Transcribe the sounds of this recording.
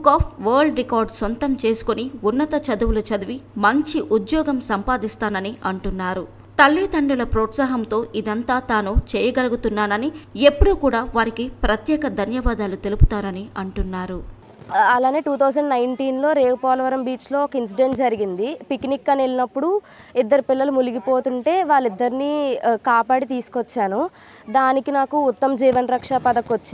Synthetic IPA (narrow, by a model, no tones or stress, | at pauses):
ukaːpʰʋɐːɾɭɖɾikaːɾɖsont̪ɐmt͡ʃe̞ːsu̥koniunːɐt̪ɐt͡ʃɐd̪uwulɐt͡ʃɐd̪uʋimɐɲt͡ʃiʔud̪jɔːɡɐmsɐmpaːd̪ist̪aːnɐniʔɐɳʈunːaːɾu | t̪ɐlːiːt̪ɐɳɖulɐpɾɔːt̪saːɦɐmt̪o̞ːʔid̪ɐnt̪aːt̪aːnut͡ʃɛːjɐɡɐlɐɡut̪unːaːnɐnie̞pːuɽukuːɽaːʋaːɾikipɾɐt̪jɛːkɐd̪ʱɐnjɐʋaːd̪aːlut̪e̞lupu̥t̪aːɾɐniɐɳʈunːaːɾu | ɐlaːne̞ːʈuːt̪ʰɐwd͡ʒɐɳɖnɐjɳʈiːnlo̞ːɾe̞ːʋupɔːlɐʋɐɾɐmbiːt͡ʃlo̞ːɔkɐinsiɖe̞ɳʈd͡ʒɐɾiɡind̪ipiknikːɐnelinɐpːuɽu | id̪ːɐɾipilːɐlumuliɡipo̞ːt̪uɳʈe̞ːʋaːɭːid̪ːɐɾiniːkaːpaːɽit̪iːsu̥kɔt͡ʃːaːnu | d̪aːnikinaːkuːt̪ːɐmd͡ʒiːʋɐnɾɐkʂapɐd̪ɐkːot͡ʃːi